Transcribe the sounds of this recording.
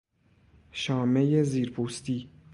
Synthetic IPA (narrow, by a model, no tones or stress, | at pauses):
ʃɒːmejeziːɾpʰuːst̪iː